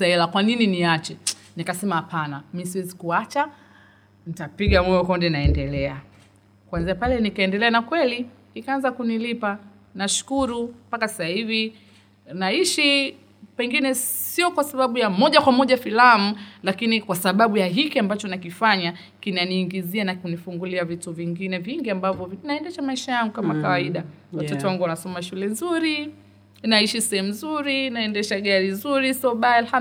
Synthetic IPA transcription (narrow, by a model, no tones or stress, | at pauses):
saɛlakwanininiat͡ʃɛ | nikasɛmahapʰanamisiwɛzikuat͡ʃa | nitapiɠamwɛwɛkɔndɛnaɛndɛlɛa | kwanziapalɛnikaɛndɛlɛanakwɛli | nikaanzakunilipa | naʃu̥kuɾumpakasasahivi | naiʃi | pɛŋɡinɛsiɔkwasaɓaɓujamɔʄakwamɔʄafilamulakinikwasaɓaɓujaɦikiambat͡ʃɔnakifaɲa | kinaniːŋɡizianakunifuŋɡuliavituviŋɡinɛviŋɡiambavjɔvnaɛndɛʃamaiʃajaŋɡukamakawaiɗawatɔtɛwaŋɡuwanasɔmaʃulɛnzuɾi | naiʃisɛhɛmuzuɾinaɛndɛʃaɠaɾinzuɾisɔɓaalha